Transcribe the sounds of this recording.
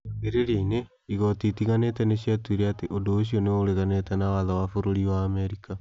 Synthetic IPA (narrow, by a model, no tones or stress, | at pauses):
ɡeɾeɾiine | iɣɔtitiɣanetɛneɕiatwiɾeateʔodoːɕ̬ijoneooɾeɣanetɛnawaðawafoɾoɾiwaːmeɾika